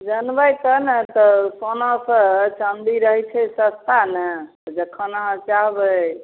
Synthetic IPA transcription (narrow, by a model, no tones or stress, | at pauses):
d͡ʒənbəjt̪ənət̪ɔsonasət͡ʃənd̪iɾəɦɛt͡ʃʰɛsəst̪ʰanə | d͡ʒəkʰənaət͡ʃaɦbə